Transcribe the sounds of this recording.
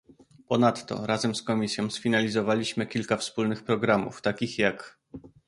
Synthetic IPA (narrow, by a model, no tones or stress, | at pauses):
pɔnat̪ːɔ̰ɾazɛmskɔmʲisʲjɔ̃w̃sfʲinalʲizɔvalʲiɕmɘkʲilkafspulnɘxpɾɔɡɾamṵft̪akʲixjak